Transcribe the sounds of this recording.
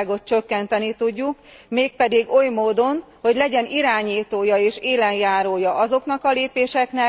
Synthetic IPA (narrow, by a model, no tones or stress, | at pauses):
ɡo̞t̪̚t͡ʃøkːɛnt̪ɛnit̪uɟːuk | meːk̚pɛd̪iɡo̞jmoːd̪o̞nho̞ɟlɛɟɛniɾaːɲiːt̪oːjɒeːʃeːlɛnjaːɾoːjɒʔɒzo̞knɒkɒleːpeːʃɛknɛ